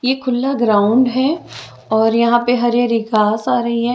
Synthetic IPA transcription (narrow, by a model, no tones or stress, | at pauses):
jeːkʰʊlːaɡɾaːʊ̃ɳɖɦɛ | ɔːɾjɐɦãpeɦɐɾeɾɪɡaːsaːɾɐɦiɦɛ